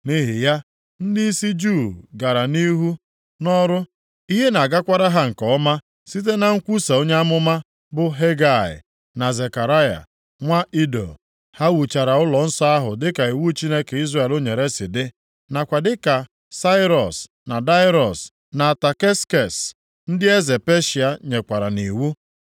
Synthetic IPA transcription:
ni˦ɦi˨ja˦ | n̩˦di˦i˦si˦d͡ʒu˦˨ɡa˨ɾa˨ni˦ɦu˦ | nɔ˦ɾʊ˦ | i˦ɦe˦na˨ɡa˦kʷa˦ɾa˦ɦa˦ŋ̩˨kɔ˦ma˦ | si˦t̬e˦na˨ŋ̩˦kʷu˦sa˨o˦ɲe˦a˦mʊ˦ma˦ | bʊ˦ɦe˦ɡa˦˨ɪ̰˨ | na˨ze˨ka˨ɾa˦ja̰˨ | ŋʷa˦ʔi˦do̰˨ | ha˦wu˨t͡ʃa˨ɾa˨ʊ˦lɔ˨n̩˦sɔ˦a˦ɦʊ˨dɪ˦ka˨i˨wu˦t͡ʃi˦ne˦ke˨i˦zra˦˨e˨lo˦ɲe˨ɾe˦sɪ˨dɪ˦ | na˨kʷa˨dɪ˦ka˨ | sa˦ɪ˦ɾɔ˨s | na˨da˦ɪ˦ɾɔ˨s | na˨ta˨ke˦ske˨s | n̩˦dɪ˦e˦ze˨pe˦ʃi˨a˦ɲe˨kʷa˨ɾa˨ni˨wu˦

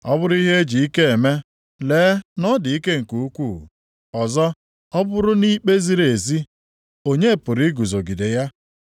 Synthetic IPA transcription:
ɔ̰˦bʊ˦ɾʊ˦i˦ɦe˦e˦d͡ʒi˨i˦ke˦e˨me˦ | leː˨˦nɔ˦dɪ˨i˦ke˦ŋ̩˨ku˨u˦kʷu˦˨ | ɔ˨zɔ˦ | ɔ˦bʊ˦ɾʊ˦ni˦k͡pe˦zi˦ɾe˨zi˦ | o˦ɲe˦˨pʊ˨ɾi˦ɡu˨zo˨ɡi˨de˨ja˦

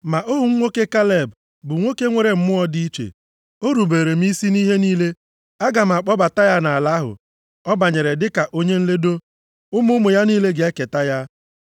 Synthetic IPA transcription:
ma˨ʔʊ˦ɦʊ˨ŋ̩˦ŋʷo˦ke˦ka˦le˦˨b | bʊ˨ŋʷo˦ke˦ŋʷe˨ɾe˨m̩˦mʊ˦ɔ˦di˦i˦t͡ʃḛ˨ | o˦ɾu˨beː˨ɾe˨m̩˦i˦si˦ni˦ɦe˦niː˦le˦ | a˦ɡa˨m̩˨a˨k͡pɔ˦ba˨ta˦ja˦na˨a˨la˦ɦʊ̰˨ | ɔ˦ba˨ɲe˨ɾe˨dɪ˦ka˨ʔo˦ɲe˦n̩˦le˦do˦ | ʊ˦mʊ˦mʊ˨ja˦niː˦le˦ɡe˦ke˨ta˦ja˦

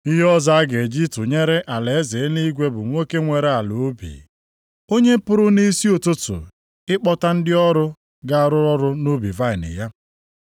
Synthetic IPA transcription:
i˦ɦɔ˦za˦a˦ɡe˨d͡ʒi˦tʊ˨ɲe˦ɾe˦ʔa˨le˨e˦ze˨˦ni˦ɡʷe˦bʊ˨ŋʷo˦ke˦ŋʷe˨ɾe˦a˨lo˨˦bḭ˨ | o˦ɲe˦pʊ˦ɾʊ˦ni˦si˦o˨tʊ˦tʊ̰˨ | ɪ˦k͡pɔ˦ta˦n̩˦dɪ˦ɔ˦ɾʊ˦ | ɡa˦a˦˨ɾʊ˦ɾɔ˦ɾʊ˦no˦bi˨va˦ɪ˨nɪ̰˨ja˦

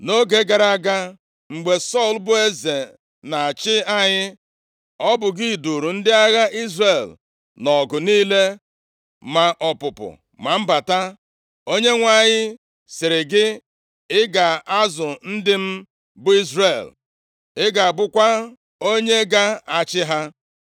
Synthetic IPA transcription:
no˦ɡe˨ɡa˨ɾa˦ɡa˦ | ŋ͡m̩˨ɡ͡be˨sɔ˦˨lbʊ˦e˦ze˨ | na˨a˨t͡ʃɪ˦a˦ɲɪ˦ | ɔ˦bʊ˨ɡi˦i˨du˨ɾu˨n̩˦dɪ˦a˦ɣa˦ʔi˦zre˨l | nɔ˨ɡʊ˨niː˦le˦ | ma˨ʔɔ˨pʊ˨pʊ̰˨ | ma˨m̩˦ba˨ta˦ | o˦ɲe˦ŋʷa˦˨ɲɪ˦ | sɪ˨ɾɪ˨ɡɪ˦ | ɪ˦ɡa˨a˦zʊ˨n̩˦dɪ˦m̩˦ | bʊ˦i˦zre˨l | ɪ˦ɡa˨a˨ɡ͡bʊ˦kʷa˦ | o˦ɲe˦ɡa˦a˨t͡ʃɪ˦ɦa˦

